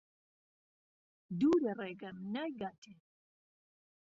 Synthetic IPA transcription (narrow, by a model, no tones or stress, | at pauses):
d̪uːɾɛrɛɡəmnajɡat̪ʰe